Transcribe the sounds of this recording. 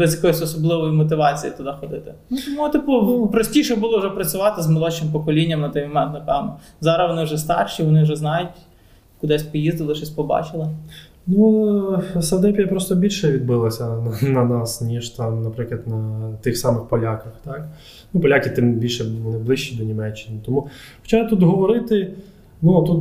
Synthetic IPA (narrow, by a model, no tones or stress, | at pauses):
bɛzjɐkɔjisʲɔsɔblˠɪʋɔjimɔt̪ɪʋɑt͡sʲijḭt̪ɐd̪ɑxɔd̪ɪt̪ɪ | nuut̪ɪpɔpɾɔsʲtʲiʃɛbulˠɔwʒɛpɾɐt͡sʲʊʋɑt̪ɪzmɐlˠɔt͡ʃɪmpɔkɔlʲinʲːɐmnɐt̪ɪmɔmɛnɐpɛwnɐ | zɑɾɐʋɔnɪwʒɛst̪ɑ̰rʃiʋɔnɪwʒɛznɑjʊtʲ | kʊd̪ɛsʲpɔjizd̪ɐlˠɪʃt͡ʃɔsʲpɔbɑ̰t͡ʃɪlˠɪ | nu | sɐd̪ɛpʲijɐpɾɔst̪ɔbʲilʲʃɛʋʲid̪̚bɪlˠɐsʲɐnɐnɐnɑsnʲiʒt̪ɑmnɐpɾɪklˠɐt̪nɐt̪ɪxsɑmɪxpɔlʲakɐxt̪ɑk | nupɔlʲakʲɪt̪ɪmbʲilʲʃɛʋɔnɪblˠɪʃt͡ʃid̪ɔnʲimɛt͡ʃːɪnɪt̪ɔmu | xɔ̥t͡ʃat̪ut̪ɦɔʋɔɾɪt̪ɪ | nut̪ut̪